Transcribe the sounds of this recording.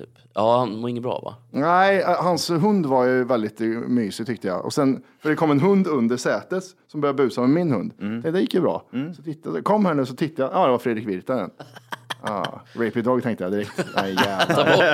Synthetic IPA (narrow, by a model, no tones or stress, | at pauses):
t̪ʰy̰ːp | ɑːhanmoɪŋːəbɾɑ̰ːva̰næɪɦansɦɵnd̪vaɾjɵvɛld̪ɪt̪myːsɪt̪ʰʏk̚t̪əja̰ʔɔ̰sɛnfœɖɛkʰɔmːɛnɦɵnd̪ɵnd̪əʂɛːt̪ət̪sɔmbœɾjad̪əbʉ̟ːsamɛmːɪnhɵnd̪ʰɛt̪d̪ɛjɪkːjəbɾɑ̰ːsɔ̥t̪ʰɪt̪ːad̪kʰɔmːhæːɳʉːsɔt̪ʰɪt̪ːajajɑːd̪ɛvafɾeːd̪ɾɪkvɪɾt̪ad̪ɛ̰n | ɑ̰ːɾɛpɪd̪ɔːɡ̚t̪ʰɛŋkt̪əjad̪ɪɾɛkt̪ʔæɪɡæːv